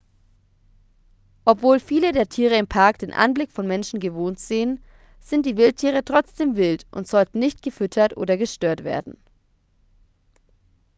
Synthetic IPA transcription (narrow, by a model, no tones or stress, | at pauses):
ʔɔpv̥oːlfiːlədeːɐtʰiːʁ̞əɪmpʰaɐkd̥eːnʔa̰nblɪkfɔnmɛnʃn̩ɡəvoːntz̥eːən | z̥ɪnt̚d̥iːvɪlt̚tʰiːʁ̞ətʁ̥ɔt͡sd̥eːmvɪltʔʊ̰ntz̥ɔltn̩nɪçtɡ̥əfʏtʰɐtʔo̰ːdɐɡəʃtøːɐtv̥ḛːɐdn̩